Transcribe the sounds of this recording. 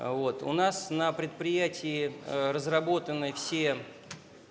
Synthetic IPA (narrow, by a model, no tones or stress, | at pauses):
vo̞t̪ʊ̰nasnəpɾʲɪt̪̚pɾʲɪjætʲɪːrəzrɐbo̞t̪ənːɨjfsʲe